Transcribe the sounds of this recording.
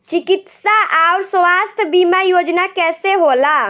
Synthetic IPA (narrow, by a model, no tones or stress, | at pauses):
t͡ʃikit̪saʔaʊɾsʋast̪ʰbimajod͡ʒnakɛseɦola